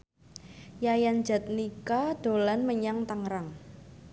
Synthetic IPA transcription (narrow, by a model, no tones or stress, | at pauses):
jajan̥d͡ʒa̤t̪̚nikad̥o̤lanməɲaŋt̪aŋɾaŋ